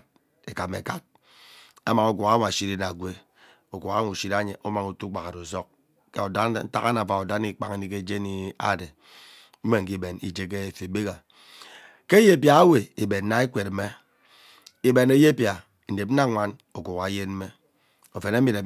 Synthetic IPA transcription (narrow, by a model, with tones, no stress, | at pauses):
e˨ka˨mḛ˨ka˨t̚ | a˦ma˨ŋo˨ku˨ɣa˦ŋ˨a˨ʃi˦ɾi˦na˨ɡʷe˦ | o˨ku˨ɣa˦ŋu˨ʃi˦da˦ɲe˨ʔo˦ma˨ŋu˨tu˦ɡ͡ba˨a˨ɾo˨zo˦k | ke˨o˨da˦n̩˦ta̰˦ka˦na˨va˨o˨da˦ni˦k͡pa˨ŋe˨˦ni˦ke˦d͡ʒe˦ni˦a̰˦˨de˨ | m̩˦me˨ŋ̩˨ki˦be˨nḭ˨d͡ʒe˦ke˦˨fe˨be˦ka˨ | ke˦je˦pja˨a˦we˨i˨be˨nn̩˦na˦e˦kʷe˨t̩˦me˦ | i˦be˨ne˦je˦pja˨ | n̩˨de˨p̩̚˦a˦ŋʷa˦n | o˨ku˨ɣa˨˦je˦nm̩˦e˦ | o˨fe˨na˦mi˨ɾe˨